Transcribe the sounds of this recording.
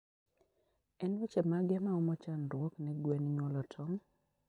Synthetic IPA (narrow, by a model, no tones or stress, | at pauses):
ɛnwɛt͡ʃɛmaɡɛmaɔmɔt͡ʃanɾwɔknɛɡwɛnɲwɔlɔtʰɔm